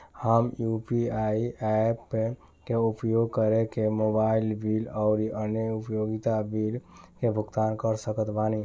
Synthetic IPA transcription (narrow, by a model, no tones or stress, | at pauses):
həmjupiaiɛpːe | keupjoɡ̚kəɾekemobailbilɔʊɾiʔənjəupjoɡit̪abilkebʱʊɡt̪ankəɾsəkət̪bani